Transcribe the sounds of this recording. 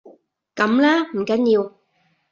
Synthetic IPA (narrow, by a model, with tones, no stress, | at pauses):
kɐ˨˥mlaː˥m̩˨˩kɐ˨˥njiː˧w